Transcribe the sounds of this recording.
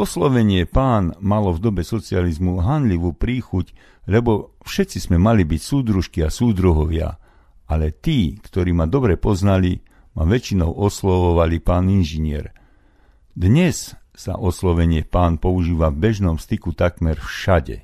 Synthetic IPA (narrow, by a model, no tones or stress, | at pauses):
ɔslɔʋɛɲɪɛpaːnmalɔvd̪ɔbɛsɔt͡sializmuɦanʎiʋuːpɾiːxuc | lɛbɔ | fʃɛt̪t͡sizmɛmalibicsuːd̪ɾuʃkiasuːd̪ɾuɦɔʋɪa̰ | alɛt̪iːkt̪ɔɾiːmad̪ɔbɾɛpɔznali | ma̰ʋɛt͡ʃinɔʊʔɔslɔʋɔʋalipaːninʒiɲɪɛ̰ɾ | d̪ɲɛssa̰ʔɔslɔʋɛɲɪɛpaːnpɔuʒiːʋavbɛʒnɔmst̪ikut̪akmɛɾfʃaɟɛ̰